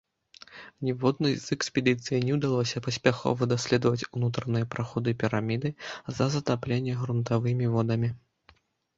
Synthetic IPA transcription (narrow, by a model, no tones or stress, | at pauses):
nʲɛvɔd̪nɐjzɛksʲpʲɛd̪ɨt̪sɨjinʲɛwd̪alˠɔsʲɐpɐsʲpʲaxɔ̰vɐd̪asʲlʲɛd̪ɐvɐt͡sʲunut̪ɾɐnɨjɐpɾaxɔd̪ɨpʲiɾamʲid̪ɨzɐzɐt̪aplʲenʲːɛɣɾunt̪avɨmʲivɔd̪ɐmʲi